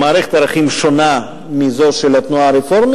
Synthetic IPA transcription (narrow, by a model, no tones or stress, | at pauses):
maːɾeχet̪aɾaχimʃona | mizoʃelat̪nuaɾefoɾm